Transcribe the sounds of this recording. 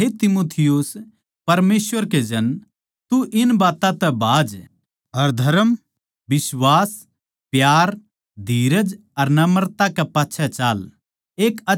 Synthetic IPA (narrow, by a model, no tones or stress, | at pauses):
ɦet̪ɪmoːt̪ʰɪjus | pɐɾmeːsʋəɾked͡ʒɐn | t̪uʔɪnbaːt̪ãt̪ɛbʱaːd͡ʒ | ɐɾd̪ʱɐɾəm | bɪswaːs | pjaːɾ | d̪ʱiːɾəd͡ʒ | ɐɾnɐməɾt̪akepaːtːʃʰɛt͡ʃaːl | eːkɐ